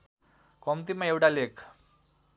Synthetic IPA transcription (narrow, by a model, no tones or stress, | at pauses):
komt̪imaeʋʈalek